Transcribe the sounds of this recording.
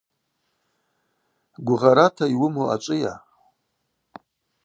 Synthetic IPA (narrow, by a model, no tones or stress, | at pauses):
ɡʷʊʁaɾatʰaiwʊmoa̰t͡ʃʷʼɨja̰